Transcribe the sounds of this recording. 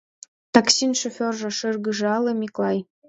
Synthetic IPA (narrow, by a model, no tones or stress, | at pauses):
t̪ɑksinʃofʲorʒɤ̆ʃɤrɣɯʒɤ̆ɑlɤ̆mʲiklˠɑj